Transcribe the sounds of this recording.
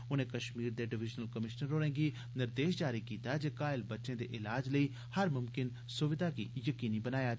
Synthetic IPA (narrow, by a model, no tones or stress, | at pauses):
ʊnẽkɐʃmiːɾd̪eɖɪʋɪd͡ʒnəlkəmɪʃnəɾːoːɽ̃ẽːɡi | nɪɾd̪eːʃd͡ʒaːɾikiːt̪aɛd͡ʒeːkaːɪlbɐtːʃẽd̪eʔɪlaːd͡ʒləiː | hɐɾmʊmkɪn | sʊʋɪd̪akijəkiːnibɐnaːja